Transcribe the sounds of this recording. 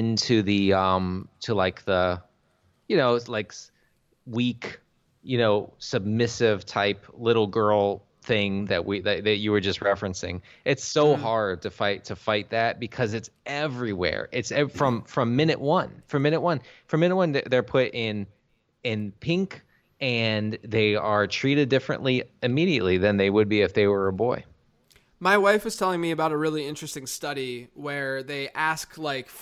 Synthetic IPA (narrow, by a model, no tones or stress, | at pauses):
ɪ̃ntʰʉðiʌ̃mtʰəlaɪk̚ðə | jɨnoʊlaɪk | wik | jɨnoʊsɨb̚mɪsɪv̥tʰaɪplɪɾl̩ˠɡɜ˞lˠ | θɪ̃ŋðɨ̰ʔwiðɨt͡ʃðɨt͡ʃɨwə˞d͡ʒʌst̚ɹɛfɹɨ̃nsɪ̰̃ŋ | ʔɨtsoʊhɑɹd̚tʰɨfaɪtʰɨfaɪt̪̚ðæt̚b̥ɨkʰʌzɨtsɛvɹiwɛ̰ɹʔɪtsɛfɹʌ̃ɱfɹʌ̃mːɪ̃nɨ̰ʔ̚wʌ̃nfɹʌ̃mɪ̃ñɨʔ̚wʌ̃nfɹʌ̃mɪ̃nɨt̚wʌ̃nðəðə˞pʰʊɾɪ̃n | ɪ̃npʰɪ̃ŋk | ɨ̃nðeɪə˞tʰɹ̥iɾɨdɪfɹɨ̰̃nʔliɨmiɾiɨ̰ʔˡliðɨ̃nðeɪwəd̚biɨfðeɪwə˞əbɔɪ | maɪwaɪfɨz̥tʰɛlˠɪ̃ŋmiɨbaʊɾɨɹɪlˠiɪ̃nt͡ʃɹ̥ɨstɪ̃ŋstʌɾiwə˞ðeɪʔæsklaɪk